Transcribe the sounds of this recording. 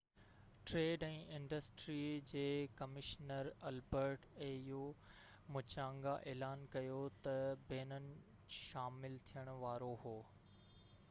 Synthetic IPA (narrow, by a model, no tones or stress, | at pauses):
ʈɾeːɖɛ̃ːʔɪ̃ɳɖəsʈɾid͡ʑeːkɐmɪʃnəɾɐlbəɾʈẽːɪɦo | mʊt͡ɕãːŋɡaʔeːlaːnkɐjot̪ɐbeːnənɪ̆ | ʃaːmɪlt̪ʰijəɽ̃ʊʋaːɾoɦoː